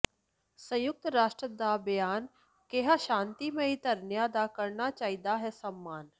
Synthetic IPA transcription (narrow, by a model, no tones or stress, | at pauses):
sɐ̃jʊk̚t̪ɾaːʃʈɾəd̪abjaːn | keɦaʃãːnt̪imẽɦit̪ɐɾnjad̪aːkəɾnat͡ʃaːid̪aɦɛsɐmːaːn